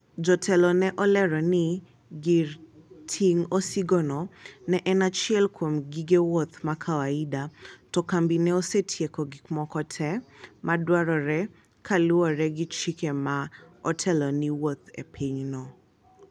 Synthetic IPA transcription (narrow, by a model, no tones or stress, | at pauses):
d͡ʒɔtʰɛlɔnɛʔɔlɛɾɔnɪ | ɡirtʰiŋosiɡɔnɔnɛʔɛnat͡ʃiɛlkʰwomɡiɡewot̪makʰawaidatɔkambinɛosetʰjekɔɡikmɔkɔtʰɛmadwaɾɔɾɛ | kʰaluɔɾɛɡit͡ʃikemaɔtʰɛlɔniwot̪ḛpʰiɲnɔ